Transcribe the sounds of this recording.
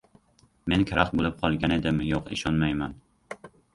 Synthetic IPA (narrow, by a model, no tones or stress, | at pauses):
me̞nkʲʰaɾaχt̪̚bolˠɪp̚qʰɒlˠɡʲane̞d̪ɪmɪjoqɪ̰ʃɒnmajman